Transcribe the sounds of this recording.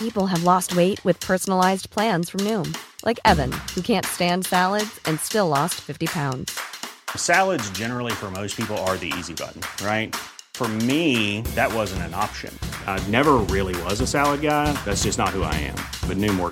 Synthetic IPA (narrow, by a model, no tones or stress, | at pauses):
pipl̩ˠəvlɔst̚weɪt̚wɨð̥pʰɜ˞sn̩əlaɪzpʰl̥æ̃nz̥fɹʌ̃mnʉ̃mlʔaɪkɛvɨ̰̃nhukʰæ̃ntstæ̃nd̥sælˠədz̥ɨ̃nstɪlˠɔstfɪftipʰãʊ̃ndz̥sælˠədzd͡ʒɛnə˞l̩ˠifə˞moʊspʰipl̩ˠə˞ðiḭzibʌ̰ʔn̩ɹaɪt̚fə˞miðɨt̚wʌzɨ̃n̩tɨ̃nɑpʃɨ̰̃nnɛvə˞ɹɪlˠiwʌzɨsælˠəd̚ɡaɪðætsd̥ʒ̥ʌsnət̚hua̰ɪɨ̰̃m | b̥ʌtⁿnʉ̃mwɔ̰ɹ